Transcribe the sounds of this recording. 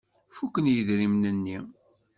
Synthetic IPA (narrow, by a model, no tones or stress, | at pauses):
fukːənjəðɾimnənːi